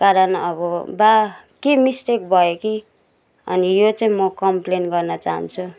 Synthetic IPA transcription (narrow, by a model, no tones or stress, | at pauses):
kaɾʌnʌβʌba | kemisʈek̚bʱʌjoki | ʌ̰nijot͡saĩmʌkʌmplenɡʌrnʌt͡saɦa̰nt͡sʰu